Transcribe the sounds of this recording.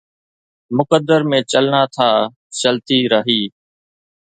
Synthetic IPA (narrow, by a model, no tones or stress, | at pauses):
mʊkəd̪ːəɾmẽːt͡ʃəlnaːt̪ʰaː | t͡ʃəlt̪iːɾəɦiː